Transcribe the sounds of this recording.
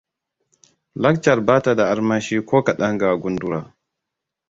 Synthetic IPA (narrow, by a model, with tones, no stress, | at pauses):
la˦k̚t͡ʃa˨ɾbaː˦ta˨da˨ʔa˦ɾmaː˦ʃiː˦koː˦ka˨ɗa˦ŋɡaː˨ɡu˦ndu˦ɾaː˨